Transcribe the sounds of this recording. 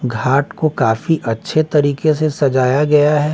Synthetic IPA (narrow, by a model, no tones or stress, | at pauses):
ɡʱaːʈkokaːfiʔɐtːʃʰet̪ɐɾiːkes̬esɐd͡ʒaːjaɡɐjaɦɛː